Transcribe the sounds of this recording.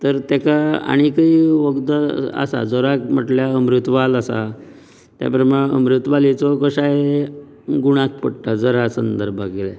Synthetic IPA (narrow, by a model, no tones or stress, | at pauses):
t̪əɾt̪ɛkaa̰ɽ̃ikaiʋəɡd̪əa̰sa̰d͡zɔɾakm̤əʈljaəmɾut̪ʋaləsa̰ | t̪ja̰pɾəmaəmɾut̪ʋalit͡sɔkəɕa | ɡuɽ̃ak̚pəɽt̪ad͡zɔɾasənd̪əɾbʱaɡelɛ